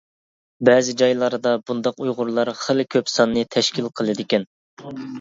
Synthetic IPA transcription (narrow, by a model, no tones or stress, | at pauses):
bɛːzɪd͡ʒɑjlˠɑɾɨd̪ɑbund̪ɑqujʁʊɾlˠɑɾχəlkʲʰøpsɑnːɨt̪ʰɛʃkʲilˠqʰəlˠɨd̪ɪkʲɛn